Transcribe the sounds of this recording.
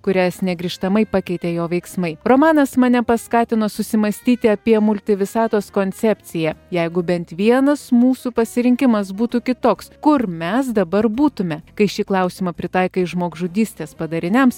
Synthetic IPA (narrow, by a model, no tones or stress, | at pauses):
kʊɾʲæsnʲɛɡɾʲɪːʃt̪ɐmɐɪpɑkʲɛɪt̪ʲeːjoːʋʲɛɪksmɐɪɾoːmɑːnɐsmɐnʲɛpɐskɑːt̪ʲɪnoːsʊsʲɪmɐsʲt̪ʲiːt̪ʲɪɐpʲiɛmʊlʲt̪ʲɪʋʲɪsɑːt̪oːskonʲt̪sʲɛpʲt̪sʲɪjɛjɛɪɡʊbʲɛnt̪ʋʲiɛnɐsmuːsuːpɐsʲɪɾʲɪŋʲkʲɪmɐs̬buːt̪ukʲɪt̪oːkskʊɾmʲɛsd̪ɐbɐɾbuːt̪ʊmʲɛkɐɪʃʲiklˠɐʊsʲɪmɐpʲɾʲɪt̪ɑɪkɐɪʒmoːɡʒʊd̪ʲiːsʲt̪ʲeːspɐd̪ɐɾʲɪnʲɛms